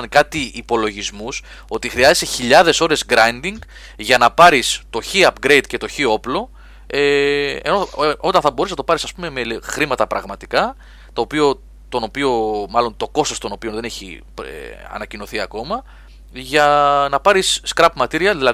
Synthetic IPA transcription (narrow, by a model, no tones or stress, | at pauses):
nkɐt̪iʔːpo̞lo̞ʝizmus | o̞t̪ixɾiɐze̞st̪e̞çiʎɐðe̞so̞ɾe̞zɡɾɐjnd̪iŋɡ | ʝɐnɐpɐɾist̪o̞çiɐpɡɾe̞jd̪̚ce̞t̪o̞çio̞plo̞ | eḛno̞o̞t̪ɐ̃nθɐbo̞ɾisnɐt̪o̞pɐɾisɐspume̞melxɾimɐt̪ɐpɾɐɣmɐt̪ikɐ | t̪o̞ːpio̞ | t̪o̞no̞pio̞mɐlo̞nt̪o̞ko̞st̪ost̪o̞no̞pio̞nðe̞ne̞çḭ | ɐ̰nɐcino̞θiɐko̞mɐ | ʝɐnɐpɐɾisːkɾɐpmɐt̪iɾiɐðilɐ